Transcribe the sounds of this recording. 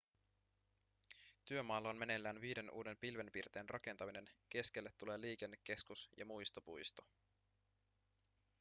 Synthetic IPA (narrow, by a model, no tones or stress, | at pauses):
t̪yø̞mɑːlːɑonme̞ne̞lːæːnʋiːde̞nʔṵːde̞mpilʋe̞mpirt̪e̞ːnrɑke̞nt̪ɑmine̞nk̟e̞sk̟e̞lːet̪ːule̞ːliːk̟e̞nːekːe̞skusjɑ̰mujst̪opujst̪o